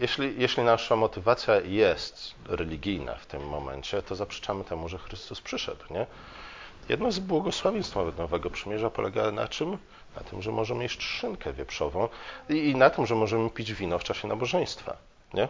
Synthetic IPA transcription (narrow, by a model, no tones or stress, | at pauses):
jɛɕlʲijɛɕlʲinaʂamɔt̪ɘvat̪sʲjajɛst̪ɾɛlʲiɡʲijna̰ft̪ɘmːɔ̰mɛ̰ɲt͡ɕɛt̪ɔzapʂɛ̥t͡ʂamɘt̪ʰɛmuʐɛxɾɘst̪uspʂɘʂɛ̰d̪wɲɛ | jɛ̰d̪nɔzbwɔɡɔswavʲẽj̃st̪fnavɛt̪nɔvɛɡɔpʂɘmʲjɛʐapɔlɛɡana̰t͡ʂɘm | na̰t̪ʰɘmʐɛmɔʐɛmʲjet͡ɕt͡ʂʂɘŋkʰɛvʲjɛpʂɔvɔ̃w̃inat̪ɔmʐɛmɔʐɛmɘpʲid͡ʑvʲinɔft͡ʂaɕɛnabɔʐɛj̃st̪fa̰ | ɲɛ